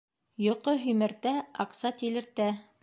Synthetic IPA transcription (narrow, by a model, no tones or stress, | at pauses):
jŏqoɦɵmɘ̆ɾt̪æɑqsɑt̪ilɘ̆ɾt̪æ